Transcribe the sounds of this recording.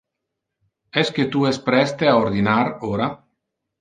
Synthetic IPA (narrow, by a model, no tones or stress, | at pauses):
ɛsket̪uɛspɾɛst̪eaoɾd̪inaɾoːɾa